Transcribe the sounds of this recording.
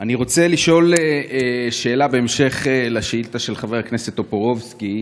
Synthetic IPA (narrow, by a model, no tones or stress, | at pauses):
aniʁo̞t͡seliʃo̞leʃe̞ːlabe̞emʃe̞χlaʃeiltaʃe̞lχaveakneset̪o̞poʁo̞vski